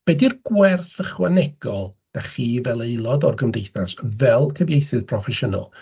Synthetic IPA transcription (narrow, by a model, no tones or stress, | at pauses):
b̥ɛdirɡwɛrθəχwanɛɡ̥ɔlˠd̥aχiːvɛlˠejlˠɔdɔrɡəmdejθrasvɛlˠkʰəvjejθɨð̥pʰrɔfɛʃənɔ̰lˠ